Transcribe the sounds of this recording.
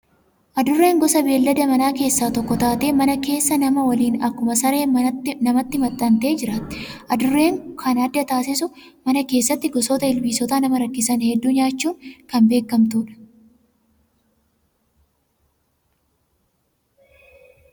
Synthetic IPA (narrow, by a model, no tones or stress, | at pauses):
ʔɐd̪ʊrːe̞ːŋɡɔsɐbe̞ːlːɐd̪ɐmɐnaːke̞ːsːaːt̪ɔkːɔt̪aːt̪e̞ːmɐnɐke̞ːsːɐnɐmɐwɐliːnɐkːʊmɐsɐɾe̞ːmɐnɐmɐt̪ːɪmɐt̪ʼːɐnt̪e̞ːd͡ʒɪɾaːt̪ːɪʔɐd̪ʊrːe̞ːŋkʰɐnɐd̪ːɐt̪aːsɪsʊmɐnɐke̞ːsːɐt̪ːɪɡɔsoːt̪ɐɪlbiːsɔt̪aːnɐmɐɾɐkːɪsɐnhɛd̪ːuːɲaːt͡ʃːuːŋkɐmbe̞ːkːɐmt̪uːᶑɐ̥